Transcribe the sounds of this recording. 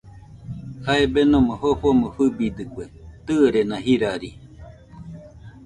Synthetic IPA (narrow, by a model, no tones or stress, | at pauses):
haebenõmohoɸomofɨbid̪ɨkʷet̪ɨɾenãhiɾaɾi